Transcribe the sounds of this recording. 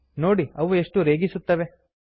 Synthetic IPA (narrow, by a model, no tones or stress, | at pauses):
no̞ːɽiɐʋue̞ʂʈuɾeːɡisut̪ːɐʋe